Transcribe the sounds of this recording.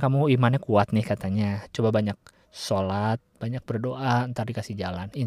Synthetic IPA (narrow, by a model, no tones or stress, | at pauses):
kamuimanɲakuat̪nɪhkat̪aɲat͡ʃobabaɲak̚ | solat̪̚b̥aɲak̚bərdoʔaənt̪ardikasɪhd͡ʒalani